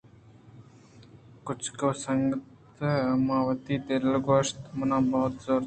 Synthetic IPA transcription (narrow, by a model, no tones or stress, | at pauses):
kʊt͡ʃʰkoːsəŋɡət̪ | maːʋət̪iːd̪ellɡoːʃt̪mənãːbɐɦʊt̪zoːɾ